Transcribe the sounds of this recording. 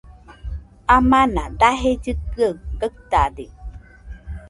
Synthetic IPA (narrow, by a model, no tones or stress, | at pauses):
amãnad̪aɦed͡ʒɨkɯəkək̚t̪ad̪e